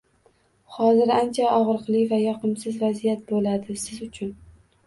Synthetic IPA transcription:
hɒzɪɾant͡ʃʰaʔɒʁɾɨqlˠɪvajɒqʰɨmsɪzvazijat̪̚bolad̪ɪsɪzʊt͡ʃʰʊn

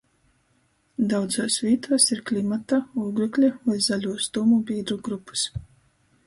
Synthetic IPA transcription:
d̪awd̪zoːsvʲiːt̪uɔsiɾklʲimat̪auɡɾuklʲɛvajzalʲuɔst̪umubʲiːd̪ɾuɡɾupːu̥s

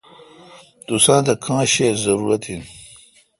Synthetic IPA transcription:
d̪̥usãːnd̪ɐkʰãːɕezɐɾuɾɐt̪in

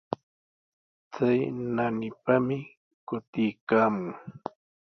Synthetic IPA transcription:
t͡sajnanɪpamɪ | kʊt̪ɪjkaːmʊŋ

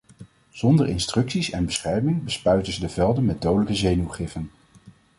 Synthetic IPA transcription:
z̥ɔndəɹɪ̰nstrɵksisɛnbəsχɛɹmɪŋbəspœɥtəzədəvɛlˠdənmɛd̚dowdələkəzejnuχɪfən

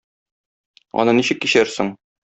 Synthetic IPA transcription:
ɒ̰nɤniɕɘ̆kːiɕæɾsɘŋ

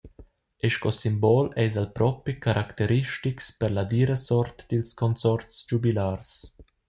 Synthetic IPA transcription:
ɛʃkɔsimbɔlɛjzalpɾɔpikaɾʔakt̪eɾiʃtikspɛɾlad̪iɾəsɔɾt̪d̪̥ilskɔnt͡sɔɾt͡sd͡ʒubilaːrs

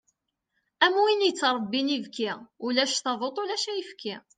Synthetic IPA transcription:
æmuinjət͡sːɾˤəbːinivkiulæʃθɑðˤot̪ˤʊlæʃæjəfkʰi

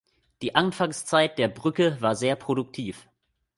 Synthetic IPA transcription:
d̥iːʔanfaŋst͡saɪt̚d̥eːɐbʁʏkəvaːɐzeːɐpʁ̥odʊk̚tʰiːf

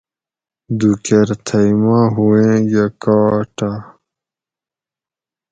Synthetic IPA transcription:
d̪ukeɾt̪ʰɐjmãːɦuẽːjɐkaːʈa

